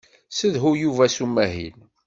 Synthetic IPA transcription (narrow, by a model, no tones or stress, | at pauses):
səðɦujuvæsumːæɦḭn